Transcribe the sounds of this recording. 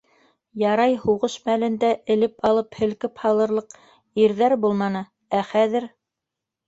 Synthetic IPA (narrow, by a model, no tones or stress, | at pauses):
jɑɾɑjhuʁɤʃmælɘ̆nd̪æʔɘ̆lɘpɑlˠɤphɘ̆lkɘphɑlˠɤ̆ɾlˠɤq | iɾðæɾbulˠmɑnɤ | æχæðɘ̆ɾ